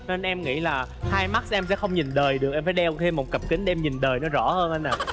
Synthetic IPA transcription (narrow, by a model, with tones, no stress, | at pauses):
ne˧nʔɛ˧mŋḭ˧˥laː˨˩haː˧jma˦˥t̚sʔɛ˧msɛ̰˧˥xə˧wŋ͡mɲi˨˩nɗəː˨˩jɗɨ˨˩ək̚ʔɛ˧mfaː˨˦jɗɛ˧wt̪ʰe˧mːo˨˩t̚kə˨˩p̚ki˨˦ŋ̟ɗe˧mɲi˨˩nɗəː˨˩jnɔ˨˦zɔ̰˧˩həː˧nʔə˧jnːaː˨˩